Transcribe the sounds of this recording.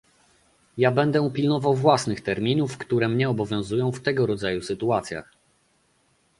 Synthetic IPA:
jabɛnd̪ɛupʲilnɔvawvwasnɘxt̪ɛɾmʲinufkt̪uɾɛmɲɛɔbɔvʲjɔ̃w̃zujɔ̃w̃ft̪ɛɡɔɾɔd̪zajusɘt̪uat̪sʲja̰x

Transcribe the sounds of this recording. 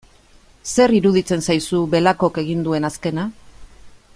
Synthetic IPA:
se̞ɾiɾuðit͡se̞nsajsuβe̞lako̞ke̞ɣ̞ind̪ue̞naske̞na

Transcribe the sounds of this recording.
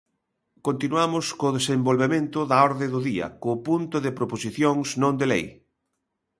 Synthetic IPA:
kont̪inuamʊskoðesembolβemẽnt̪ʊðɐɔɾðeðʊðiɐ̰kopunt̪ʊðɪpɾoposiθjoŋsnõnd̪elḛj

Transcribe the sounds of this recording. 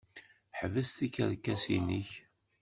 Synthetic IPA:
ħvəst̪ikə̰ɾkːæsḭniç

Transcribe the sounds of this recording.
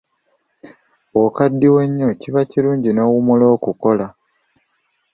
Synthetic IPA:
wokadːiwe̞ɲːo̞ciβaciɾuːɲɟino̞ːwumulo̞ːkuko̞la

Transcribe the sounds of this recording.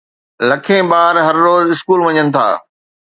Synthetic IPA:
lɐkʰẽɓaːɾɦɐɾːoːzɪskuːlʋɐɲənɪ̆t̪ʰa̰ː

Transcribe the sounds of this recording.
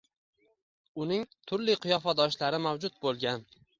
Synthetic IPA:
ʊnɪŋt̪ʰʊɾlɪqʰɨjɒfad̪ɒʃlaɾɪmawd͡ʒʊt̪̚bolˠɡʲan

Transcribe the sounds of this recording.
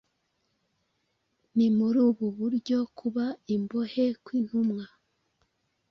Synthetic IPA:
nimuɾuːβuβuɾɟo̞kʰuβaimbo̞he̞kwin̥humŋa

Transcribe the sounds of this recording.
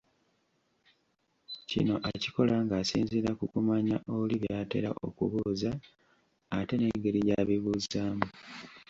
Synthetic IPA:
cḭno̞ʔaci̥ko̞laŋɡaːsiːnziɾakukumaɲaʔoβuliβjaːte̞̰ɾaʔo̞̰kṵβuːzaː | te̞ne̞ːŋɡe̞ɾijaːβiβuːzaːmu

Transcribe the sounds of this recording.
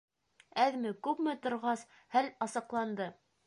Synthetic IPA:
æðmɘkʉpmɘt̪ŏɾʁɑs | hælɑsɑ̆qlˠɑnd̪ɤ

